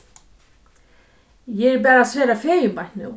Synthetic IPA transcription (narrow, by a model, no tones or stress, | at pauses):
jɛɛɾp̬ɛːɾasvɛːɾafɛːjʏmajt̪nɪ̰w